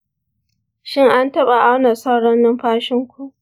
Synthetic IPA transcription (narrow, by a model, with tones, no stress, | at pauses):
ʃɪ˦ŋʔa˦ntɐ˦ɓa˨ʔa˦wnɐ˨sa˦wɽɐ˦nːɪ˦mɸaː˦ʃɪ˦ŋkʷu˦˨ʔ